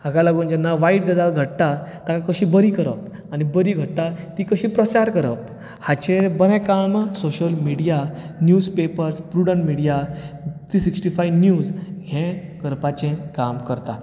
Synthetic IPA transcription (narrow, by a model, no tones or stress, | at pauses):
aɡalaɡund͡ʑɛnːaʋaiʈɡəd͡zalɡʱəʈt̪at̪akakəɕĩbəɾiːkəɾə̰p̚ | añibəɾiːɡʱəɽ̚t̪at̪ikəɕĩːpɾət͡ɕaɾkəɾə̰p̚ | hat͡ɕẽbəɾɛ̃kamsoɕəlmiɽijanjud͡zpepəɾspɾuɽənmiɽijat̪ɾisiksʈifajnjuːd͡zɡʱɛ̃kəɾpat͡ɕẽkamkəɾt̪a